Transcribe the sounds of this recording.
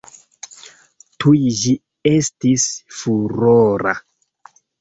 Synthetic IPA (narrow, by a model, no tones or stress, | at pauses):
tʰujd͡ʒi | e̞stisfuɾoɾa̰